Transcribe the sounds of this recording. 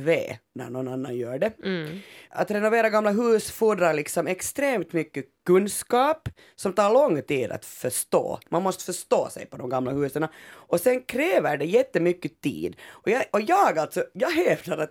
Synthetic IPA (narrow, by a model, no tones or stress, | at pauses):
vḛːnæ̰ɾɳɔnanːa̰njœːɖɛ | a̰t̪ɾɛnɔveːɾaɡɑmːlaɦʉːsfuːd̪ɾaɾɭɪksɔmɛkst̪ɾeːmt̪mʏkːəkɵnskɑːp | sɔmt̪ɑːɭɔŋːt̪iːd̪a̰t̪fœʂt̪o̰ːmʔanmɔst̪ə̥fœʂt̪o̰ːsɛ̰jpɔd̪ɔmɡɑmːlahʉːsənaɔsɛnkʰɾeːvəɖɛjɛt̪ːəmʏkːət̪ʰḭːd̪ɔjɑɔjɑːɡalt̪sɔjɑːɦɛːvt̪aɾat̪